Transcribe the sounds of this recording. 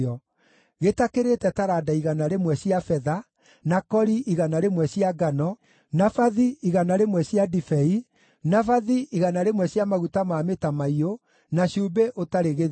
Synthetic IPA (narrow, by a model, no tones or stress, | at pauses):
ɔ | ɣetakeɾetɛtaɾadaiɣanaɾemwɛɕiafɛða | nakɔɾiʔiɣanaɾemwɛɕiaɡanɔ | nafaðiiɣanaɾemwɛɕiadifɛi | nafaðiiɣanaɾemwɛɕjamaɣutamametamaio | naɕubeʔotaɾeɣe